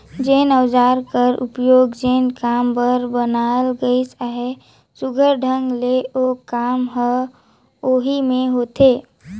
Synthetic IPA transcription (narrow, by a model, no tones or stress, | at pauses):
d͡ʒeːnəwd͡ʒaːɾkəɾṵpjoːɡd͡ʒeːnkaːmbəɾbənalɡəisaɦe | sʊɡʱəɾɖʱə̃ŋɡleokaːmɦə | oɦimẽɦot̪e